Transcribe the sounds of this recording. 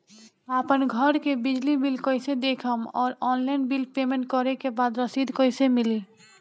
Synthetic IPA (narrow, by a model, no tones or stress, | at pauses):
apənɡʱəɾkebid͡ʒlibilkəɪsed̪ekʰəmɔ̰ːɾɔnlaɪnbilpemẽɳʈ̚kɔɾekebad̪ɾəsid̪ʱkəɪsemili